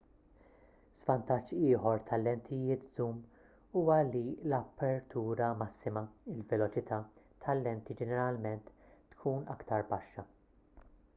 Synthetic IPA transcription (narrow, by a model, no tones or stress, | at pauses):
z̥vɐnt̪ɐt͡ʃːɪːħɔɾt̪ʰɐlːɛnt̪ʰɪjɪːt̪zuːm | uːwɐlilɐpːɛɾt̪ʰuːɾɐmɐsːɪmɐɪlvɛlɔt͡ʃɪt̪ʰɐː | t̪ʰɐlːɛnt̪id͡ʒɛnɛɾɐlmɛnt̪ːkʰuːnɐ̰kt̪ɐɾbɐʃːɐ